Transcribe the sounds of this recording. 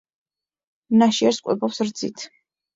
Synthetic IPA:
naʃiɛɾskʼwɛ̰bɔpsɾd̪zit̪ʰ

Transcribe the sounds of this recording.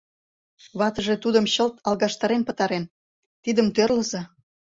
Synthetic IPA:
βɑt̪ə̆ʒet̪ud̪əmɕəlt̪ʰɑlɣɑʃt̪ɑɾenpə̆t̪ɑɾen | t̪id̪əmt̪ørləzɑ

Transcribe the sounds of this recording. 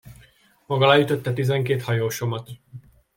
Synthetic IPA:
mɒɡɒlaːjyt̪o̞t̪ːɛt̪izɛŋkeːt̪hɒjoːʃomɒt̪

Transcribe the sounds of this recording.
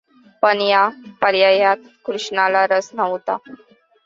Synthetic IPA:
pəɳjapəɾjajat̪ | kɾuʂnalaɾəsnəʋt̪a̰

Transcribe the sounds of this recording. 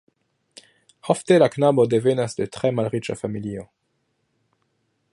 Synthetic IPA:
hofte̞laknabo̞de̞ve̞nasde̞tɾe̞malʁit͡ʃafamilio̞

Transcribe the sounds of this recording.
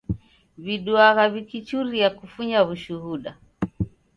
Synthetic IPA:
βiɗuaɣaβikit͡ʃuɾiakufuɲaβuʃuhuɗa

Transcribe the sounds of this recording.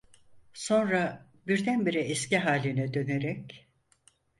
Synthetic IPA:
so̞nɾa | biɾd̪ænbiɾiɛsciɦaːlʲinɛd̪ø̞neɾɛc

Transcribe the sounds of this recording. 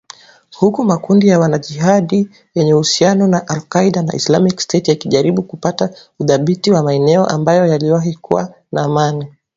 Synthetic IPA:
hukumakundijawanaʄiɦaɗi | jɛɲɛhusianɔnaʔalkaiɗana̰ʔḭslamikstɛtijakiʄaɾiɓukupatauðaɓitiwamaɛnɛɔ̰ʔambajɔjaliwaɦikṵwa̰ | naːmani

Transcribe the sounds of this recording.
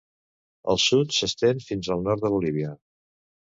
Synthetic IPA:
ə̰lˠsut̪səst̪enfinzəlˠnɔɾt̪ðəβuliβ̞iə

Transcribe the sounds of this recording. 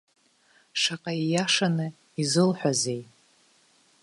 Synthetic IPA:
ʂaqʼaijaʂanɨ | izɨlħʷᶣaze̞j

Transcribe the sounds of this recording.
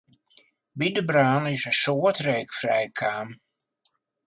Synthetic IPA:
bidəbraːnɪsəsoətreːkfrɛjkʰaːm

